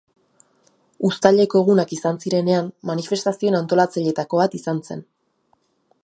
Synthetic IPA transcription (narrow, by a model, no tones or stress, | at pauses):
ust̪aʎe̞ko̞eɣ̞unakisansiɾe̞ne̞ammːanife̞st̪asio̞enant̪o̞lat͡saʎe̞t̪ako̞βat̪isanse̞n